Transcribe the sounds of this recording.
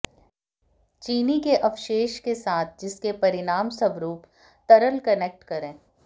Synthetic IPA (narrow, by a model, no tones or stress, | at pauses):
t͡ʃiːnikeʔɐfʃeːʃkesaːt̪ʰd͡ʒɪskepɐɾɪnaːmsɐbɾuːp | t̪ɐɾəlkɐnek̚ʈkɐɾẽː